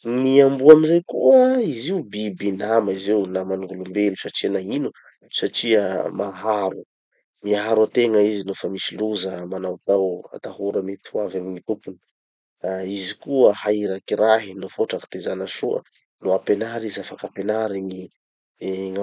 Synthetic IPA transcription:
niambuaminzajkuəiziubibinamaizewnamanuŋɡulumbelusaʈ͡ʂiənainu | saʈ͡ʂiəmaɦaɾu | miɦaɾwat̪eŋəizinofəmisiluzəmanawt̪awa̰t̪ahuɾəmet̪uavamiɲit̪upuni̥ | aizikuəhaiɾakiɾaɦinofoʈ͡ʂaki̥t̪ezanəʃuə̰ | loapenaɾizafakapenaɾeɲi | ŋa

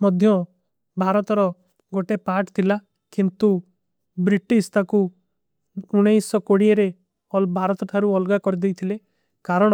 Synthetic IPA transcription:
mɔd̪ʱjɔ | bʱaɾɔt̪ɔɾɔ | ɡoʈepaʈt̪ʰila | kint̪u | bɾiʈist̪ʰaku | uɽ̃ejsɔkoɽieɾe | ɔbʱaɾɔt̪ɔt̪ʰaɾuɔlɡakɔɾid̪ejt̪ʰile | kaɾɔɽ̃ɔ

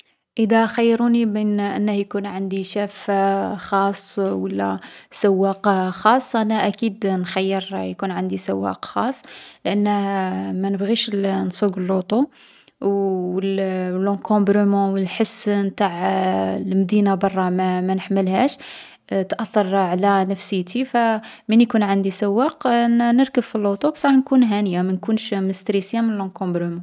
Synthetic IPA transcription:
ʔəd̪æxəjːɾunibinʔə̰nːəhjkunʕand̪iʃæfxɑsˤːwəlːæ̰sæwːæqxɑsˤːʔænæʔækid̪nxæjːəɾjkunʕand̪isæwːæ̰qxɑsˤːlʔənːəhmænəbɣiʃnsˤuɡlːut̪ˤu | wəllɑ̃kɔ̃bɾəmɑ̃wəlħəsnt̪aʕlmd̪inabɑrˤːɑmæmænəħməlhæʃ | t̪ʔɑθːɑɾˤʕlænəfsəjt̪ifæmənjkunʕand̪isæwːæqnəɾkəbfilːot̪ˤubsˤɾˤɑħnkunɦænəjamænkunʃməst̪ɾisəjamənəlɑ̃kɔ̃bɾəmɑ̃

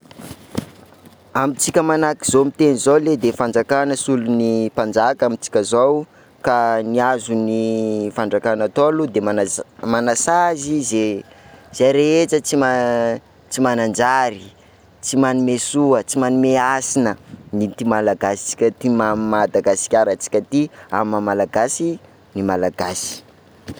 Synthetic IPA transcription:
amit͡sikʲəmanakiz̥omit̪enizowled̪efand͡zakanəsulunipand͡ʒakamit͡si̥kʲəzaw | kaniazunifaɳɖ͡ʐakanat̪olud̪emamanasazizez̥eɾeet͡sət͡sima | t͡simanand͡ʒaɾi | t͡simanimesuət͡simanimeasinənit̪imalaɡasi̥t͡si̥kʲət̪imamad̪aɡasi̥kʲaɾət͡si̥kʲat̪iamamalaɡasi | nimalaɡasi̥

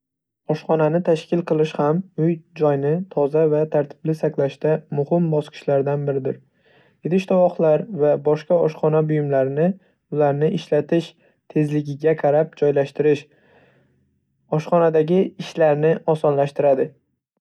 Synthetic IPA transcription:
ɒʃχɒnanɪt̪ʰaʃkʲɪlˠqɨlˠɪʃhamʊjd͡ʒɒjnɪt̪ʰɒzavat̪ʰaɾt̪ʰɪ̥blɪsaklaʃt̪amʊhɪmbɒsqʰɨ̥ʃlaɾd̪anbɪɾɪd̪ɪɾ | jet̪ɪʃt̪ʰɒvɒχlˠaɾvabɒʃqɑɒʃχɒnabʊjɪmlaɾɪnɪ | ʊlaɾnɪʔɪʃlat̪ʰɪʃ | t̪ʰe̞zlɪɡʲɪɡʲaqʰɑɾap̚d͡ʒɒjlaʃt̪ɪɾɪʃ | ɒʃχɒnad̪aɡʲɪɪʃlaɾnɪʔɒsɒnlaʃt̪ɪɾad̪ɪ

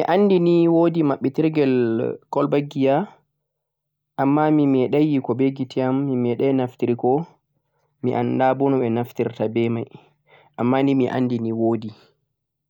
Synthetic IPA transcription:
miʔanːdiniwoːdimaɓːɛtiɾɡɛlkɔlbaɡːija | ʔamːamimɛɗajikɔbeɡitiamːimɛɗajnaftiɾikɔ | miʔandabɔnɔɓɛnaftiɾtabɛmaj | ʔamːanimiʔa̰ndiniwoːdi

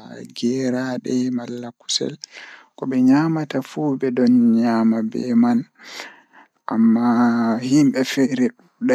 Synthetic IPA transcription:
ɡɛɾaɗɛmalːaku̥sɛ̰l | kɔbɛɲamatafubɛdɔnɲaːmabɛ̰man | ʔa̰mːahimɓɛfɛɾɛɗuɗa

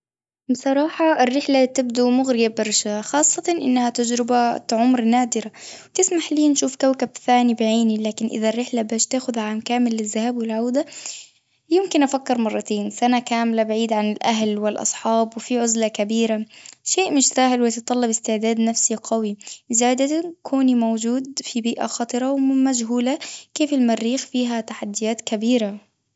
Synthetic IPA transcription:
bsˤɑɾˤɑːħɑɪrːɪħlat̪ɪb̚d̪umʊɣɾɪjabɪɾˤʃaaxɑːsˤːɑt̪ɑnʔɪ̰nːahat̪ad͡ʒɾɪbaʕʊmɾnaːd̪ɪɾawt̪ɪsmaħliːnʃuːfkawkab̚θaːnibɪʕiːnilaːkɪnʔɪ̰ðarːɪħlabaːʃt̪aːxʊðʕaːmkaːmɪlːɪzːahaːbwɪlʕawd̪a | jɪmkɪnʔafakːɪɾmɑrˤːɑt̪eːnsanakaːmlabaʕiːd̪ʕanɪlʔaɦlwɪlʔɑ̰sˤħɑːbwɪfiʕʊzlakabiːɾaʃeːʔmɪʃsaːhɪlwɪt̪ɨt̪ˤːɑlːɪbɪst̪ɪʕd̪aːd̪nafsiqawizaːd̪akʰoːnimowd͡ʒuːd̪fibiːʔa̰xɑːt̪ˤɨɾˤɑwmad͡ʒɦuːlakeːfɪlmarːiːxfiːɦat̪aħad̪ːɪjaːt̪kabiːɾa

